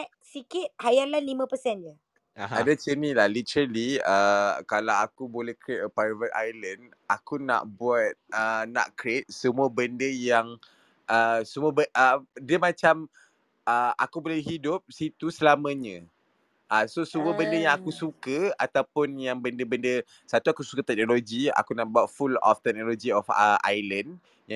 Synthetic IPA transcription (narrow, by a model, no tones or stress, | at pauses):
sikɪt̪̚hajalanlimə̃pəsɛnjə | adat͡ʃənilahlit̪əɾəliəkalawakubolɛhkɾet̚əpajvət̪a̰jlənd | ʔakuna̰ʔbuat̪̚əna̰ʔkɾet̪̚səmuəbəndəjaŋ | ʔəsəmuəbəʔədiəmãt͡ʃam | ʔəa̰kubolɛhɦidʊp̚sit̪usəlamə̃ɲə̃ | ʔəsosəmuəbəndəjaŋakusukəat̪awpʊnjaŋbəndəbəndə | sat̪uakusu̥kət̪ɛk̚noloɡia̰kunaʔbuat̪̚fulɔ̰ft̪ɛk̚nolod͡ʒiɔfəʔa̰jlən | ja